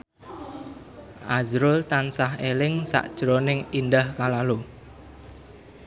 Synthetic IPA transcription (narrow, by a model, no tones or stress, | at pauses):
ʔazɾʊlt̪ansaɦelɪŋsa̰ʔd̥ʒ̥ɾonɪŋindahkalalo